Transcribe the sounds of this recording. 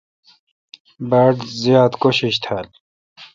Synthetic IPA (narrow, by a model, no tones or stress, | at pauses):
baɖzijaːd̪koɕiɕt̪ʰal